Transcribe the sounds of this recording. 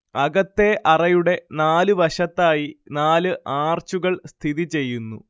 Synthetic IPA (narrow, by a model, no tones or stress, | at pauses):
ɐɣɐt̪ːe̞ʔɐrɐjuɽe̞naːlɨʋɐʂɐt̪ːaːjinaːlɨʔaːrt͡ɕuɣɐɭst̪ʰiðit͡ɕe̞jːunːṵ